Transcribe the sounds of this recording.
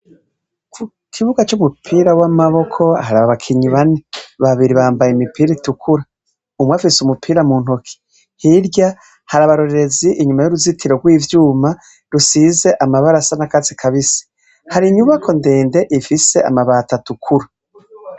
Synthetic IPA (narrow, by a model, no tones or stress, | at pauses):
ku | kʰiβuɡat͡ʃumupʰiɾawamaβo̞kʰo̞haɾaβaβakʰiɲiβaneβaβiɾiβaːmbajemipiːɾitukʰuɾa | umwafisumupʰiːɾamuːnhokʰi̥ | hiɾɟa | haɾaβaɾo̞ɾeɾe̞ziʔiɲumajuɾuzitʰiɾo̞ɡwiːvjuːma | ɾusize̞ʔamaβaɾasanakat͡sikʰaβisi̥ | haɾiɲuβakʰo̞nde̞ːnde̞ʔifise̞a̰maβaːtatukʰuɾa